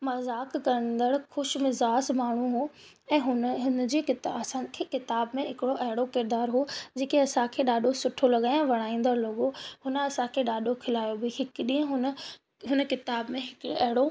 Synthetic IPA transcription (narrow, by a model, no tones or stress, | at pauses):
mɐzaːkːɐɾə̃n̆d̪əɽxʊʃmɪzaːsmaːɳ̤uɦoː | ɛ̃ːɦʊnɦʊn̆d͡ʑeːkɪt̪ɐsãkʰekɪt̪aːbmẽɦɪkɪɽoʔɐɦɪɽokɪɾd̪aːɾɦoːd͡ʑeːkeɐsãkʰeːɗaːɗʱosʊʈʰolɐɠãːʋɐɽ̃aːĩːn̆d̪əɽlɐɠoɦʊnəɐsãkʰeːɗaːɗʱokʰɪlaːjobɪɦɪkɗĩɦə̃ɦʊnə | ɦʊnəkɪt̪aːbmẽɦɪkɐɦɪɽo